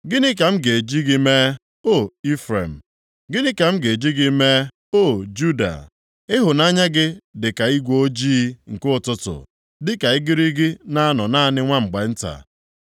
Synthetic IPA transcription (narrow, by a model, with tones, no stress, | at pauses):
ɡɪ˦nɪ˦k̬a˨m̩˦ɡe˨d͡ʒi˦ɡi˦me˦ | o˦˨i˦fɾḛ˨m̩˨ | ɡɪ˦nɪ˦ka˨m̩˦ɡe˨d͡ʒi˦ɡi˦me˦ | o˦˨d͡ʒu˦da̰˨ | ɪ˦ɦʊ˨na˦ɲa˦ɡɪ˦dɪ˨ka˨i˦ɡʷo˦d͡ʒiː˦ŋ̩˨kʊ˦ʊ˨tʊ˨tʊ̰˨ | dɪ˦ka˨ɪ˦ɡɪ˦ɾi˦ɡɪ˦na˦a˦nɔ˨na˦˨nɪ˦ŋʷa˦ŋ͡m̩˨ɡ͡ba˨n̩˦ta̰˨